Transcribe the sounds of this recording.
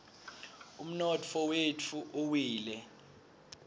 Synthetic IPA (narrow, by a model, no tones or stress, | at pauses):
um̩nɔt͡fʰɔwetʰuʔowiːlɛ